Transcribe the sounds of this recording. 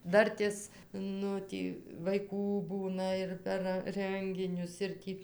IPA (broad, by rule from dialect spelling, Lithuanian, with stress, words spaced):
ˈdɐrʲtʲeːs ˈnʊ ˈtʲiː ʋɐɪˈkuː ˈbuːnɐ ɪr pʲɛr ˈrəŋʲɡʲɪnʲʊs ɪr ˈtʲiː